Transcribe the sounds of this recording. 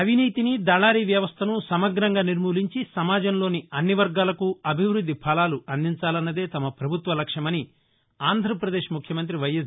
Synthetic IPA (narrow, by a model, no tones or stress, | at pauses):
ɐʋiniːt̪inid̪ɐːɭaːɾiːʋjɐʋɐst̪ʰɐnusɐmɐɡɾɐŋɡaːniɾmuːliɲt͡ʃisɐmaːd͡ʒɐmloːniɐnːiʋɐɾɡaːlɐkuɐbʱiʋɾud̪ʱːipʰɐlaːluɐnd̪iɲt͡ʃaːlɐnːɐd̪e̞ːt̪ɐmɐpɾɐbʱut̪ʋɐlɐkʂɐmɐni | aːnd̪ʱɾɐpɾɐd̪e̞ːʃmukʰjɐmɐnt̪̬ɾiʋɐjɐ